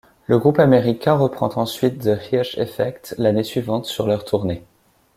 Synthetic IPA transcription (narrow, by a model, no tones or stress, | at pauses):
ləɡʁupameʁikʲɛ̃ʁəpχɑ̰̃t̪ɑ̃sɥit̪̚d̪əhiaʃḛfɛkt̪lanesɥivɑ̃t̪syʁlœʁt̪ʰuʁne